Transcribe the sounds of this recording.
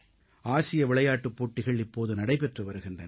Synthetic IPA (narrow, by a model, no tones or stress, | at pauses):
aːsɪjɐʋɪɭɐjaːʈːɯpːoːʈːɪɣɐɭɪpːoːðɯnɐɽɐɪpɛʈrɯʋɐɾɯɣɪndrɐn